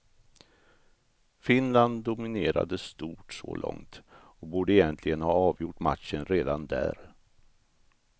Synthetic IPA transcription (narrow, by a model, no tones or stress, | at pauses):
fɪnland̪ʊmɪneːɾa̰d̪əst̪uːʈsɔ̰lɔ̰ŋt̪ | ɔkbuːɖəɛjɛnt̪ʰlɪɡənhɑːɑːvjʊʈma̰t̪ʃənɾeːd̪and̪æ̰ːɾ